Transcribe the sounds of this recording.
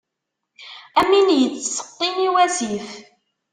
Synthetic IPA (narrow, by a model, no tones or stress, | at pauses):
æminjət͡sːsə̥qːiniwæziθ